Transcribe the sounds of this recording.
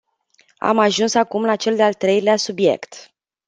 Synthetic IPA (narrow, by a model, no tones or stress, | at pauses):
a̰maʒunsakumlat͡ʃe̞ld̪ealt̪ɾe̞jleasubje̞̰kt̪